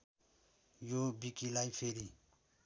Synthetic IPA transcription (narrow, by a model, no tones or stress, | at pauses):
jobikilajpʰeɾi